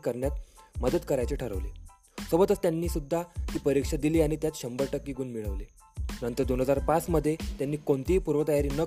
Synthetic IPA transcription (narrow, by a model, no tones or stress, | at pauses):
kəɾɳjat̪̚məd̪əd̪kəɾajt͡ɕeʈʰəɾə̰ʋlḛ | sobət̪ət͡st̪janːiːsud̪ʱːat̪iːpəɾikʂad̪iliːaɽ̃it̪jat̪ɕəmbəɾʈəkːiːɡuːnmiɭəʋle | nənt̪əɾd̪onɦəd͡zaɾpasməd̪ʱːjet̪janːiːkoɳt̪iːpuɾʋət̪əjaɾiːnə